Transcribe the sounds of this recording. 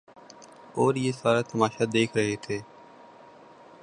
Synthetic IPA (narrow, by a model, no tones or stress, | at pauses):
oːɾjeːsaːɾaːt̪əmaːʃaːd̪eːkʰɾəɦet̪ʰeː